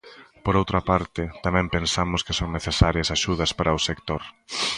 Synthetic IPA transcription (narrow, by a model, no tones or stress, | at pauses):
poɾowt̪ɾɐpaɾt̪ɪt̪amɛ̃mpẽnsamʊskɪsoŋneθesaɾjɐsaʃuðɐspaɾʔɐʊsekt̪oɾ